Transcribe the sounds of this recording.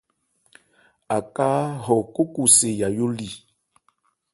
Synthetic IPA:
a˨ka˦ɦɔ˨ko˦ku˨se˨ja˨jo˦li˦˨

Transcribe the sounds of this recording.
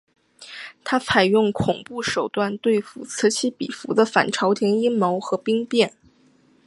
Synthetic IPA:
t̪ʰa˥t͡sʰa˨˩ɪjʊ˥˩ŋkʰʊ˨˩ŋpu˥˩ʂo˨˩ʊt̪wa˥˧nt̪we˥˩ɪfṵ˨˩t͡s̩ʰ˧˥t͡ɕʰi˥pḭ˨˩fu˧˥d̪ə˧fa̰˨˩nʈ͡ʂʰɑ˧˥ʊt̪ʰjɛ˧˥ni˥nmo˧˥ʊxɤ˧˥pi˥ŋpjɛ˥˩n

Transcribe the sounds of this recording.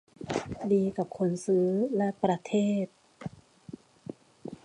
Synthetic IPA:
diː˧ka˨˩p̚kʰo˧nsɯː˦lɛ˦˧˥pɾa˧t̪ʰeː˥˩t̪̚

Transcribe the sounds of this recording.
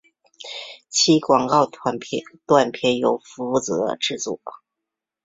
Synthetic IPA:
t͡ɕʰi˥kwɑ˨˩ŋkɑ˥˧ʊ˧t̪wa˥˩npʰjɛ˧˥njo˨˩ʊfu˧˥u˥˩t͡s̩˧˥d̪ə̰˧ʈ͡ʂɻ̩˥˧t͡sɔ̰˥˩

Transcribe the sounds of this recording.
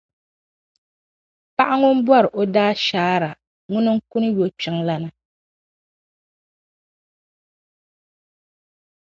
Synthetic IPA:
pa˦ʔa˦ŋʊ˦m̩˦bwɔ˦ɾɨ˨ʔo˦daː˦ʃaː˦ɾa˨ | ŋʊ˦nɨ˦ŋ̩˦ku˦n˦jo˦t͡ʃɛ˨˦ŋla˦nɨ˦

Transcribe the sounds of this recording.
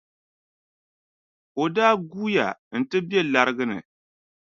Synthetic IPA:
o˨daː˦ɡuː˦ja̰˨n̩˨tɨ˦be˦la˨ɾɨ˦ɡɨ˦nɨ̰˨

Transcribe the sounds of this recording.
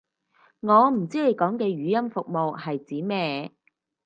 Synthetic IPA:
ŋɔː˨˧m̩˨˩t͡siː˥le˨˧jkɔː˨˥ŋkɛː˧ɥyː˨˧jɐ˥mfʊ˨k̚mo˨whɐ˨jt͡siː˨˥mɛː˥

